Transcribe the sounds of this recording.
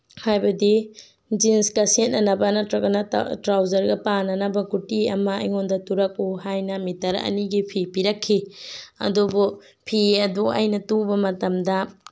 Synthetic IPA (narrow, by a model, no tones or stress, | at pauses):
hajbɐdi | d͡ʒinskɐsent̚nɐnɐbɐnɐɐkɐnɐ̰tɾawd͡ʒɐɾɡɐpanɐnɐbɐɡutiɐ̰mɐ̰ːjŋondɐtuɾɐk̚uɦajnɐmitɐɾɐ̰niɡipʰipiɾɐkʰːiɐ̰dubu | pʰiɐduɐ̰jnɐtubɐmɐtɐmdɐ